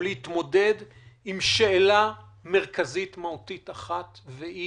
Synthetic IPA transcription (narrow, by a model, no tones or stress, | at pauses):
leit̪mo̞de̞dimʃeːla | meʁkazitmautitaχatvei